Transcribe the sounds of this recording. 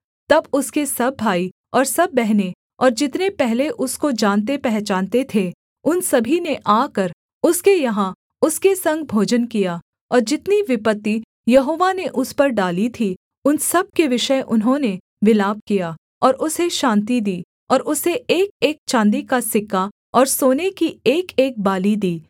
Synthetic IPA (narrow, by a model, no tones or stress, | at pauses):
t̪ɐbʊskesɐbːaːi | ɔːɾsɐbːɛɦne | ɔːɾd͡ʒɪt̪nepɛɦleʔʊskod͡ʒãːnt̪̬epɛɦt͡ʃãːnt̪et̪ʰe | ʊnsɐbʱineʔaːkɐɾ | ʊskejɐɦã | ʊskesɐ̃ŋɡ̚bʱoːd͡ʒənkija | ɔːɾd͡ʒɪt̪niʋɪpət̪ːi | jɐɦoːʋaneʔʊspɐɾɖaːlit̪ʰi | ʊnsɐb̚keʋɪʃəʔʊnɦõne | ʋɪlaːb̚kijaː | ɔːɾʊseʃãːnt̪id̪iː | ɔːɾʊseeːk̚eːk̚t͡ʃãːnd̪ikasɪkːa | ɔːɾsoːnekieːkeːk̚baːlid̪iː